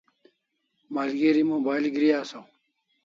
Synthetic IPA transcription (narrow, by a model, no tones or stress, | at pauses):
maːlɡeɾimoːbaːilɡɾijaːsow